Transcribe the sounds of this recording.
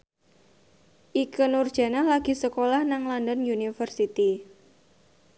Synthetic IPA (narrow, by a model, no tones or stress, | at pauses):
ʔikənurd̥ʒ̥a̤nalaɡ̥i̤səkolahnaŋlɔndənjunifərsit̪i